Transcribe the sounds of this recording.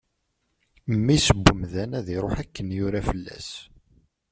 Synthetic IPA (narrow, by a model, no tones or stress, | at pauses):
mːisəbːəmðænæðiɾˤoħækːənjʊɾafəlːæ̰s